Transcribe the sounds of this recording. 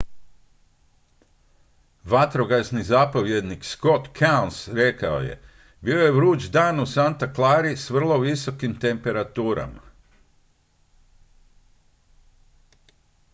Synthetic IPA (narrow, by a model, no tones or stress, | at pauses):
ʋat̪ɾo̞ɡasnizapo̞ʋje̞d̪niksko̞t̪kʰawnsɾe̞kao̰jḛ | bio̞je̞ʋɾuːt͡ʃd̪aːnusant̪aklˠaːɾisʋr̩lˠo̞ʋiso̞kimt̪e̞mpe̞ɾat̪uːɾa̰ma